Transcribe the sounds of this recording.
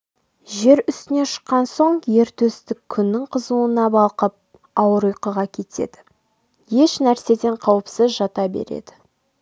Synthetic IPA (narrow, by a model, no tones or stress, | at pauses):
ʒe̞ɾʏst̪ɪne̞ʃə̥qːɑnso̞ɴje̞ɾt̪ʰɵst̪ɪkʲʰːʏnːɪŋqʰəzuənɑbɑlˠqəp̚ | ɑwəɾujqəʁɑkʲʰe̞t̪ʰe̞̰d̪̥ɪ | je̞ʃnæɾse̞d̪e̞ɴqʰɑwəpsəzʒɑt̪ɑbḛɾḛd̪ɪ